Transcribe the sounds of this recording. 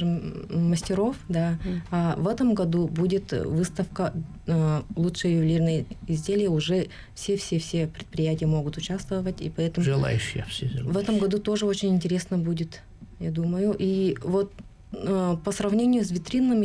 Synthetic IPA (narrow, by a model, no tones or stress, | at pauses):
ɨmːəsʲtʲɪɾo̞fd̪aavɛt̪əmɡɐd̪ubudʲɪt̪vɨst̪əfkə | lˠutʂɨjəjʊblʲirnəjəɪzʲdʲelʲɪjəʊʐɛ | fsʲefsʲefsʲepɾʲɪt̪̚pɾʲɪjætʲɪjəmo̞ɡʊt̪ʊt͡ɕast̪vəvətʲḭpɐɛt̪əmʐɨlˠa̰jʉɕːɪjəfsʲevɛt̪əmɡɐd̪ut̪o̞ʐɨo̞t͡ɕɪnʲɪnʲtʲɪɾʲe̞snəbudʲɪt̪ | jad̪uməjʊʔivo̞t̪ː | pəsrɐvnʲenʲɪjʊs̬ʲvʲɪt̪ɾʲinːəmʲɪ